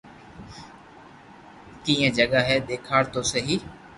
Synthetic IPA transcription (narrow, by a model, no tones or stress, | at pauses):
kĩːə̃d͡ʒəɠaːɦɛːɗ̪eːkʰaːɾt̪oːsəɦiː